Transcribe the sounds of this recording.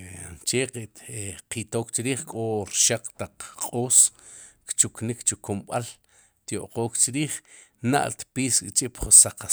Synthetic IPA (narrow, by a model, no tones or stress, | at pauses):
t͡ʃeqeqit̪oːkt͡ʃiɾiːχkʼoɾʃaq͡χt̪aq͡χqʼoːskt͡ʃuknikt͡ʃukumɓal | t̪jo̰ʔqoːkt͡ʃɾiːχna̰ʔlt̪piːskʼt͡ʃʼiʔpχusaqa